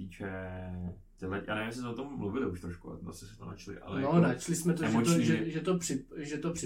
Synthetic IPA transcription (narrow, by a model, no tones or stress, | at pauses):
iːt͡ʃɛ | t̪ɛlɛja̰ːnɛvɪmsɪsmɛot̪omːluvɪlɪuʃt̪ɾoʃkua̰t̪a̰sɛsɛ̥t̪onat͡ʃlɪ̰ʔa̰lɛnonat͡ʃlɪsmɛt̪oɛmot̪oʒɛʒɛt̪opr̥ɪʒɛt̪opr̥ɪ